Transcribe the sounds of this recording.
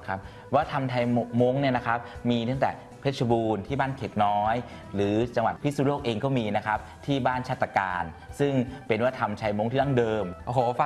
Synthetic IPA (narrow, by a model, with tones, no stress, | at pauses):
kʰa˦˥p̚ | waː˥˩t̪ʰa˧mt̪ʰa˧jmo˦˥ŋni˥˩ɐna˦˥kʰa˦˥p̚miː˧t̪ʰa˥˩ŋt̪ɛ̰ː˨˩ | pʰe˦˥t̪̚t͡ɕʰa˧buː˧nt̪ʰiː˥˩baː˥˩nkʰe˨˩k̪̚nɔː˦˥j | ɾɯː˩˦t͡ɕa˧ŋwa˨˩t̪̚pʰi˦˥suː˧˩loː˥˩k̚ʔeː˧ŋkɔː˥˩miː˧na˦˥kʰa˦˥p̚t̪ʰiː˥˩baː˥˩nt͡ɕʰaː˥˩t̪ːa˧ka̰ː˧n | sɯ˥˩ŋpe˧nwaː˥˩t̪ʰa˧mt͡ɕʰa˧jmo˦˥ŋt̪ʰiː˥˩a˥˩ŋdɤː˧mʔo˧˩ɦoː˨˩˦fa˧